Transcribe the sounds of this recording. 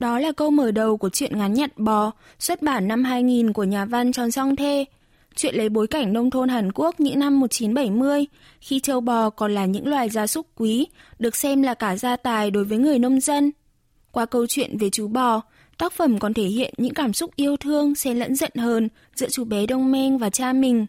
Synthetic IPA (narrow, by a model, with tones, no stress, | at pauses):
ɗɔ˨˦laː˨˩kə˧wməː˧˩ɗə˨˩wku˧˩ət͡ɕwḭ˧˨ənŋa˨˦nɲə˨˩t̚ɓɔ˨˩ | swə˦˥t̚ɓaː˧˩nːa˧mɦaː˧jŋi˨˩nku˧˩əɲaː˨˩va˧nt͡ɕɔ˨˩nsa˧wŋ͡mt̪ʰe˧ | t͡ɕwḭ˧˨ənlə˨˦jɓo˨˦jka˧˩jŋ̟nə˧wŋ͡mt̪ʰo˧nɦaː˨˩nku˦˥ək̚ɲɨ̰˧˥ŋna˧mːo˨˩t̚t͡ɕi˨˦nɓə˧˩jmɨ˧əj | xi˧t͡ɕəː˧wɓɔ˨˩kɔ˨˩nlaː˨˩ɲɨ̰˧˥ŋlwaː˨˩jzaː˧sʊ˦˥k͡p̚kwi˨˦ɗɨ˨˩ək̚sɛ˧mlaː˨˩kaː˧˩zaː˧t̪aː˨˩jɗo˨˦jvəː˨˦jŋɨ˨˩əjnə˧wŋ͡mzə˧n | kwaː˧kə˧wt͡ɕwḭ˧˨ənve˨˩t͡ɕu˨˦ɓɔ˧˩ | t̪aː˦˥k̚fə˧˩mkɔ˨˩nt̪ʰe˧˩hḭ˧˨ənɲɨ̰˧˥ŋkaː˧˩msʊ˦˥k͡p̚ʔi˧əwt̪ʰɨ˧əŋsɛ˧lə̰˧˥nzə̰˧˨nhəː˧˩n | zɨ̰˧˥t͡ɕu˨˦ɓɛ˨˦ɗə˧wŋ͡mmɛ˧nvaː˨˩t͡ɕaː˧mï˨˩ŋ̟